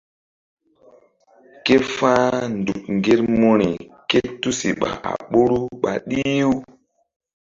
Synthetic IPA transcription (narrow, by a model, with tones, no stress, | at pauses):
ke˦faː˦ndu˨k̚ŋɡe˦ɾmo˦ɾi˨ke˦tu˦si˨ɓa̰˨ʔa̰˨ɓo˦ɾu˦ɓa˨ɗi˦u˦